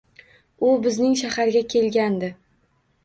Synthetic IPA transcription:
ʊbɪznɪŋʃahaɾɡʲakʲʰe̞lɡʲand̪ɪ

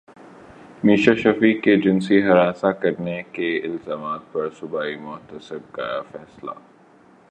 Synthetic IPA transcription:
miːʃaʃɐfiːkːed͡ʒɪnsiɦɐɾaːsakɐɾnekeɪlzaːmaːt̪̚pɐɾsʊbaːimʊːt̪əsɪb̚ka̰a̰fɛːsla̰ː

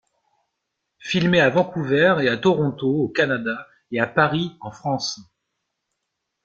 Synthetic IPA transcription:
filmeavɑ̃kuvɛʁeat̪ɔʁɔ̃t̪ookanad̪a | eapaʁiɑ̃fχɑ̃s

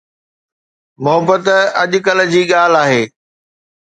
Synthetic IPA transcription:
mʊɦəbːət̪ɐʄʊkɐl̆d͡ʑiːɠaːl̤aːɦeː

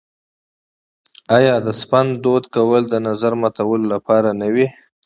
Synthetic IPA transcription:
ajɑd̪əspand̪ːod̪kawəld̪ənazaɾmat̪awəlolapɑɾanəwi

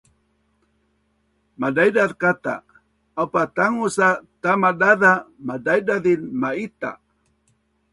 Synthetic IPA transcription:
madajdaðkat̪a̰ | awpat̪aŋusat̪amadaðamadajdaðinmait̪a̰

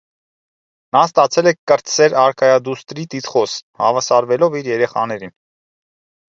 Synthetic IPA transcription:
nɑst̪ɑt͡sʰɛlɛkʰkːəɾt̪sɛɾɑɾkʰɑjɑd̪ust̪ɾit̪it̪χɔshɑvɑsɑɾvɛlɔviɾjɛɾɛχɑ̰nɛɾin

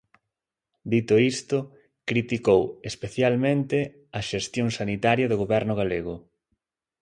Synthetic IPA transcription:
d̪it̪ʊist̪ʊ | kɾit̪ikowespeθjalmẽnt̪ɪ | ɐʃest̪joŋsanit̪aɾjɐðʊɣoβɛɾnʊɣaleɣʊ

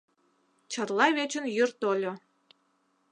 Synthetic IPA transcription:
t͡ɕərlˠɑβet͡ɕə̆njərt̪olʲo

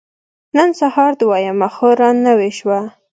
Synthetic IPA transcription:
nənsahɑɾd̪wɑjamaxoɾɑnːəweʃwa

